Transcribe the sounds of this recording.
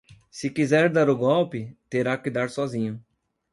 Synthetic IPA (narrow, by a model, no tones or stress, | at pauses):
sɪkizɛɾd̪aɾʊɡɔwpɪt̪eɾakɪd̪aɾsɔzĩɲʊ